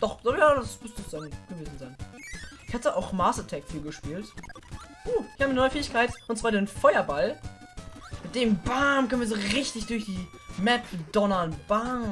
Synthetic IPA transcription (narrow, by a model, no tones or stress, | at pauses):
d̥ɔχd̥ɔjaːdasmʊsʊsz̥aɪnɡ̥əveːzn̩zaɪnʔɪçhatəʔaʊxmaːsətʰɛkfiːlɡəʃpiːlt | ʔuːɪ̥çhabnɔʏəfeːɪçkʰaɪtʔʊntt͡sv̥aːdeːnfɔʏɐbal | mɪt̚d̥eːmbaːɐmkʰœnviːɐzoːʁɪçtɪçd̥ʊɐçd̥iːmɛpdɔnɐnb̥a